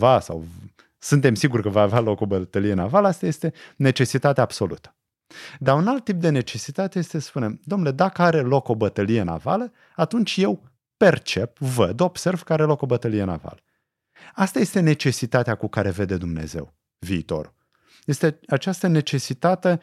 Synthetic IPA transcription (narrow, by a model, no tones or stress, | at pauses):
vasa̰w | sɨnt̪e̞msiɡurkəvaavealo̞ko̞bət̪əlijenavaləast̪aje̞st̪e̞ne̞t͡ʃe̞sit̪at̪eab̥so̞lṵt̪ə̥ | d̪aunalt̪ːip̚d̪e̞ne̞t͡ʃe̞sit̪at̪eje̞st̪esə̥spune̞md̪omnle̞d̪akəaɾe̞lo̞ko̞bət̪əlije̞na̰va̰lə | at̪unt͡ʃʲje̞w | pe̞rt͡ʃe̞p̚vəd̪o̞b̥se̞rv̥kəaɾe̞lo̞ko̞bət̪əlije̞na̰va̰lə | ast̪aje̞st̪e̞ne̞t͡ʃe̞sit̪at̪eakukaɾe̞ve̞d̪e̞d̪umne̞̰ze̞̰w | viːt̪o̞̰ɾṵ | je̞st̪eat͡ʃast̪əne̞t͡ʃe̞sit̪at̪e̞